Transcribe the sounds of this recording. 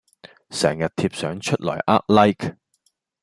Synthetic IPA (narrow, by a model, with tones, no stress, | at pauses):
sɛː˨˩ŋjɐ˨t̚t̪ʰiː˧p̚sœː˨˥ŋt͡ʃʰɵ˥t̚lɔ̰ː˨˩jʔa̰ː˦˥k̚lɐ˥jk